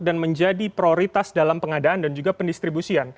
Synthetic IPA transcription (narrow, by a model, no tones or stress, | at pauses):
danməɲd͡ʒadipɾioɾit̪asdalampəŋadaandand͡ʒuɡapəndist̪ɾibusian